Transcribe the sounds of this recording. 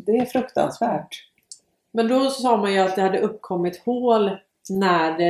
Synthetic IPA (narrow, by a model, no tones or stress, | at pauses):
d̪ɛæɾfɾɵkt̪a̰nsvæːʈ | mɛnd̪ɔssɑːmanjɵat̪̚d̪ɛhad̪ːəɵpːkʰɔmːɪt̪hoːl | næɖɛ